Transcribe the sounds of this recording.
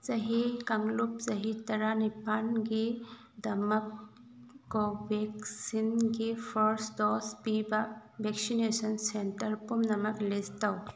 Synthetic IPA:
t͡ʃɐɦikɐŋlup̚sɐɦit̪ɐɾanipanɡe | d̪ɐmɐp̚ | kɔbɛksinɡepʰɐɾsdɔspibabeksinesɐnsenʈɐɾpumnɐmɐklest̪ɐw

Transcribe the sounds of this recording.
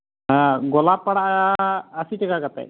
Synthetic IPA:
ɦãɡɔlapːaɽaʔaːsiʈɛkakat̪a̰j

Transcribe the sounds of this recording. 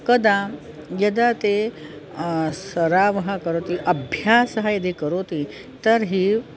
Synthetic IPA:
kəd̪a | jɐd̪at̪e | sɐɾaːʋɐɦɐkəɾoːt̪iʔɐbʱjaːsɐɦɐjɐd̪ʱikəɾot̪i | t̪ɐɾɦi

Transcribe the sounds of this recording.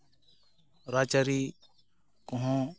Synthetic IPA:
ɾaːt͡ʃaɾiː | kʊɦõː

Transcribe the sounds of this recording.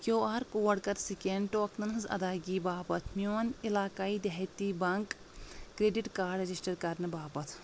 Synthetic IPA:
kjoːaːɾkoːɐɽkɐɾsikeɳɖʈoːknɐnɨzɐ̰d̪aːɡiːbaːpɐt̪ʰmiʋɐnilaːkaːiːd̪ɐɦt̪iːbɐŋkː | ɾeːɖiʈkaːɾɖɾɐd͡ʒisʈɐɾkɐɾnɨbaːpɐt̪ʰ

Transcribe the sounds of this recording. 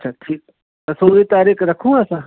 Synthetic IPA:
ɐtʃʰaːʈʰiːk̚ | t̪ɐsõɾit̪aːɾiːkɾɐkʰũaːsãː

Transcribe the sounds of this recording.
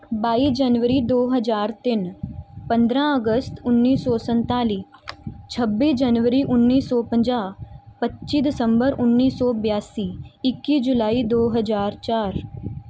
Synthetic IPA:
baːid͡ʒənʋəɾid̪oːɦəzaːɾt̪ɪnpə̃nd̪ɾãəɡəst̪ʊnːiːsɔːsə̃nt̪aːliːt͡ʃʰɐbːiːd͡ʒɐnʋəɾiʔʊnːiːsːɔːpə̃ɲd͡ʒaːpətːʃid̪ɪsə̃mbəɾʊnːiːsːɔːbjaːsiːɪkːid͡ʒʊlaːid̪oːɦəzaːɾt͡ʃaːɾ

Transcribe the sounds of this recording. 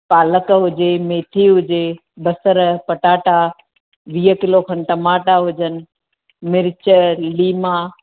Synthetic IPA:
paːləkɦʊd͡ʑemeːt̪ʰiɦʊd͡ʑe | bɐsəɾpɐʈaːʈa | ʋiːəkɪlokʰɐnʈɐmaːʈaɦʊd͡ʑənɪ̆ | mɪɾɪt͡ɕəliːmaː

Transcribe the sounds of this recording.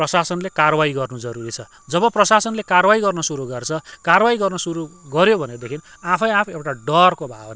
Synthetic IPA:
prʌsasʌnlekarbaiɡʌrnud͡zʌɾuɾit͡sʰʌ | d͡zʌbʌprʌsasʌnlekarbaiɡʌrnʌsuɾuɡʌrt͡sʰʌkarwajiɡʌrnʌsuɾuɡʌɾjobʱʌned̪ekʰin | apʰʌj̃apʰewʈaɖʌrkobʱabʌna

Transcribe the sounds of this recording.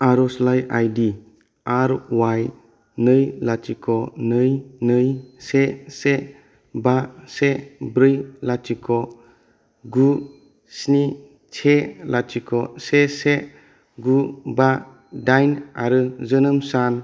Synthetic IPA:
aɾɔslajajdi | aɾwaj | nɯjlatikʰɔnɯjnɯjsese | basebɾɯjlatikʰɔ | ɡu | sni | t͡ʃʰelatikʰɔsese | ɡuba | dajnaɾɯzɯnɯmsan

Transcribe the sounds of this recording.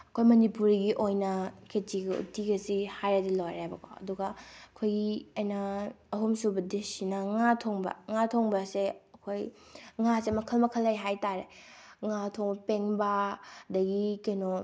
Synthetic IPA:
ɐkʰojmɐnipuɾiɡiʔojnɐkʰetiɡɐṵtiɡɐsihajɾɐdilojɾajbɐkʰoɐ̰duɡɐɐkʰojɡiɐjnɐɐɦumsubɐdesinɐŋatʰoŋbɐ̰ŋatʰoŋbɐseɐkʰojŋasemɐkʰɐlmɐkʰɐlːɐjɦajtaɾeŋatʰoŋbɐpeŋbɐdɐɡikeno

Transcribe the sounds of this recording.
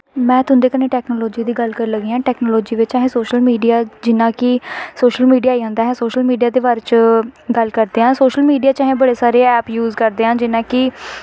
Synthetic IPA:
mɛ̃ːt̪ʊnd̪eːkəneːʈɛːknoːlɔːd͡ʒiːd̪iːɡəlkəɾləɡiːãːʈɛːknoːlɔːd͡ʒiːʋɪt͡ʃaːɦẽːsoːʃəlmiːɖijaːd͡ʒɪnãːkɪsoːʃəlmiːɖijaːiːãːnd̪aːɦɛ̃ːsoːʃəlmiːɖijaːd̪eːʋaːɾet͡ʃɡəlkəɾd̪eːɦãːsoːʃəlmiːɖijaːt͡ʃaːɦẽːbəɽeːsaːɾeːɛːpjuːzkəɾd̪eːɦãːd͡ʒɪnãːkɪ

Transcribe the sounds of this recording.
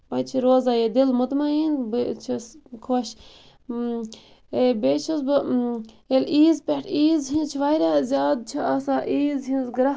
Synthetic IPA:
bɐt͡ʃʰiɾoːzaːjed̪ilmut̪maːjinbt͡ʃʰiskʰoːʃ | beːt͡ʃʰis̬bɨ | eliːzpʲeʈʰiːzɦĩnt͡ʃʰiʋajɾʲaːzʲjaːd̪̚t͡ʃʰiasaːʔiːzɦinzɡɾɐ

